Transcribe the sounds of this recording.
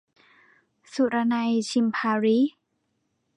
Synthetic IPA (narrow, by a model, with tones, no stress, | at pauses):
su˧˩ɾa˧na˧jt͡ɕʰi˧mpʰaː˧ɾi˦˥